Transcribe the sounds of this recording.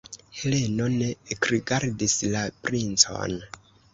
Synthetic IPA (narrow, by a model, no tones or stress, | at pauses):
he̞le̞no̞nekɾiɡaɾdislapɾint͡so̞̰n